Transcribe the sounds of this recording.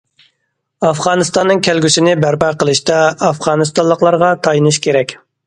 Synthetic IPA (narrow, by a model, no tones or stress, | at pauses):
ɑfʁɑːnɨst̪ɑnːɨŋkʲʰælɡʲysɪnɪbæɾpɑqʰəlˠɨʃt̪ɑɑfʁɑːnɨst̪ɑnlˠəqlˠɑɾʁɑt̪ʰɑjinɨʃkʲʰeɾɛkʲ